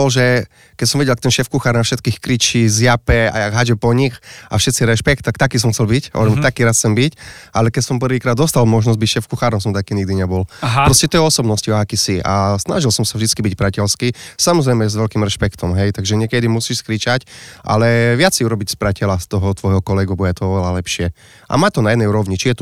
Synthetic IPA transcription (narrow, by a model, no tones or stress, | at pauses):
ɔlʒɛ | kɛcsɔmʋɛɟɛlkt̪ɛnʃɛfkuxaːɾnafʃɛt̪kiːxkɾit͡ʃizjapɛa̰aɦad͡ʒɛpɔɲixafʃɛt̪t͡siɾɛʃpɛk̚t̪ːakt̪akiːs̬ɔmxtt͡sɛlbicɔ̰ɾɛmt̪akiːɾasxt͡sɛmbicʔalɛkɛsɔmp̬rʋiːkɾaːd̪ɔst̪almɔʒnɔzɟbicʃɛfkuxaːɾɔms̬ɔmt̪akiːɲiɡ̚d̪iɲɛbɔlppɾɔscɛt̪ɔɛɔsɔbnɔsciɔakisiʔa̰sna̰ʒilsɔmsavʒd̪it͡skibicpɾacɛlskiːsamɔzɾɛjmɛzʋɛlkimɾɛʃpɛkt̪ʰɔmɦɛjt̪aɡʒɛɲɪɛkɛd̪imusiʃskɾit͡ʃacʔa̰lɛʋɪat͡sɛɪuɾɔbicspɾacɛlast̪ɔɦɔt̪ʋɔjɦɔkɔlɛɡubɔjɛt̪ɔɔʋɛlalɛpʃɪɛ | ʔa̰maːct̪ɔnajɛd̪nɛjuɾɔʋɲit͡ʃijɛt̪